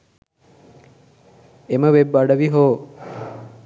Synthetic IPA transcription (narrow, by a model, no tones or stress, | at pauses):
eməʋebːaɽəʋiɦoː